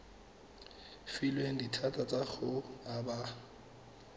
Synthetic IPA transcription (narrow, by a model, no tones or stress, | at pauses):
filweŋ̩ditʰatʼat͡sʼaχʊaba